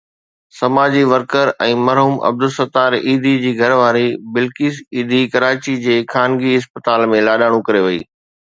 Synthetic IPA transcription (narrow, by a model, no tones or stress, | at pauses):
sɐmaːd͡ʑiʋɐɾkəɾɛ̃ːmɐɾɦuːmʔɐ̰b̚d̪ʊsɐt̪aːɾiːd̪ʱid͡ʑiːɡʱɐɾʋaːɾibɪlkiːsiːd̪ʱikɐɾaːt͡ɕid͡ʑeːkʰaːnɡiɪspət̪aːlmẽlaːɗaːɽ̃ũkɐɾeʋɐḭː